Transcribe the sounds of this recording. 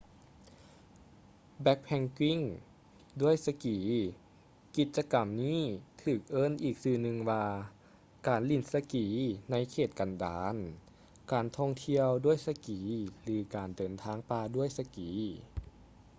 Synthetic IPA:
bɛ˧˦˥k̚pʰɛ˧ŋkwi˧˥˩ŋ | du˥˩əjsa˧kiː˨˩˦ | ki˧˩t̪̚t͡ɕa˧ka˨mniː˥˩t̪ʰɯː˧˨˩k̚ʔɤː˥˨nʔiː˨˩k̚sɯː˧˩nɯ˧ŋwaː˧ | kaː˨˩nli˧˩nsa˧kiː˨˦na˧˥jkʰeː˨˩t̪̚ka˨ndaː˨˦n | kaː˨nt̪ʰɔ˧˩ŋt̪ʰi˧əwdu˥˩əjsa˧kiː˨˦lɯː˨˦kaː˨˩ndɤː˨˩nt̪ʰaː˧˥˩ŋpaː˧du˥˨əjsa˧kiː˨˦

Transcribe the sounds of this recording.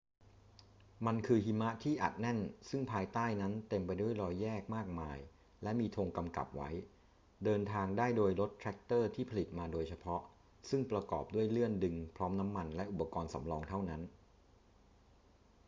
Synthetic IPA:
ma˧nkʰɯː˧hi˧˥ma˦˥ʔt̪ʰiː˥˩ʔa̰˨˩t̪̚nɛ˥˩nsɯ˥˩ŋpʰaː˧jt̪aː˥˩jna˦˥nt̪e˧mpa˧jdu˥˩əjɾɔː˧jːɛː˥˩k̚maː˥˩k̚maː˧j | lɛ˦˥miː˧t̪ʰoː˧ŋka˧mka̰˨˩p̚wa˦˥j | dɤː˧nt̪ʰaː˧ŋdaː˥˩jdoː˧jlo˦˥t̪ʰːɾɛ˦˥k̚t̪ɤː˥˩t̪ʰiː˥˩pʰa˧li˨˩t̪̚maː˧doː˧jt͡ɕʰa˧pʰɔ˦˥ʔ | sɯ˥˩ŋpɾa˧kɔ̰ː˨˩p̚du˥˩əjlɯ˥˩əndɯ˧ŋpʰɾɔː˦˥mna˦˥mːa˧nlɛ˦˥ʔu˨˩pa˧kɔː˧nsa̰˩˦mlɔː˧ŋt̪ʰa˥˩wna˦˥n

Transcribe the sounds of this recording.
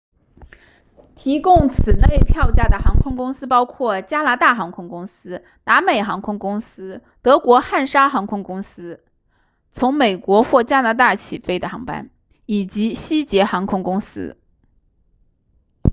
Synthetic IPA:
t̪ʰi˧˥kʊ˥˩ŋt͡sʰɹ̩˨˩na˥˧ji˥˧pʰjɑ˥˧ʊt͡ɕja˥˩d̪ə˩xɑ˧˥ŋkʰʊ˥ŋkʊ˥ŋsɹ̩˥pɑ˥ʊkʰwɔ˥˩t͡ɕja˥na˧˥t̪a˥˩xɑ˧˥ŋkʰʊ˥ŋkʊ˥ŋsɹ̩˥ | na˧˥me˨˩ɪxɑ˧˥ŋkʰʊ˥ŋkʊ˥ŋsɹ̩˥t̪ɤ˧˥kwɔ˧˥xa˥˩nʂa˥xɑ˧˥ŋkʰʊ˥ŋkʊ˥ŋsɹ̩˥ | t͡sʰʊ˧˥ŋme˨˩ɪkwɔ˧˥xwɔ˥˩t͡ɕja˥na˧˥t̪a˥˩t͡ɕʰi˨˩fe˥ɪd̪ə˨˩xɑ˧˥ŋpa̰˥n | i˨˩t͡ɕi˧˥ɕi˥t͡ɕjɛ˧˥xɑ˧˥ŋkʰʊ˥ŋkʊ˥ŋsɹ̩̰˥

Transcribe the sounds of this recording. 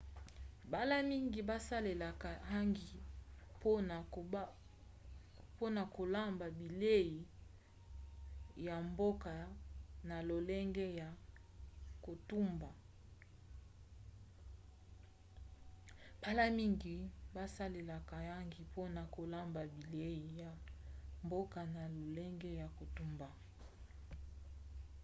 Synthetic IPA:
ba˦la˦mi˦ŋɡi˨ba˦sa˦le˨la˨ka˨ɦa˦ŋɡi˨po˦n˨˦ | po˦na˨ko˨la˦mba˨bi˨le˦ji˨ | ja˨mbo˦ka˨na˨lo˨lɛ˦ŋɡɛ˦ja˨ | ko˨tu˦mba˨ | pa˦la˦mi˦ŋɡi˨ba˦sa˦le˨la˨ka˨ja˦ŋɡi˨po˦na˨ko˨la˦mba˨bi˨le˦i˨ja˨mbo˦ka˨na˨lo˨lɛ˦ŋɡɛ˦ja˨ko˨tu˦mba˨

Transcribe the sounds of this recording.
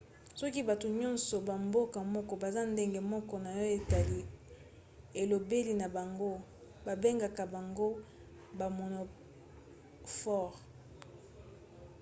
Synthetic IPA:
sɔ˦ki˦ba˨to˨ɲɔ̃˦nsɔ˨ba˨mbo˦ka˨mɔ˦kɔ˨ba˨za˦nde˦ŋɡe˨mɔ˦kɔ˦na˨jɔ˦e˨ta˨li˦ | e˨lo˨be˦li˨na˨ba˨ŋɡo˦ | ba˨be˦ŋɡa˨ka˨ba˨ŋɡo˦ | ba˨mo˨no˨ | fɔ˦˨ʁ

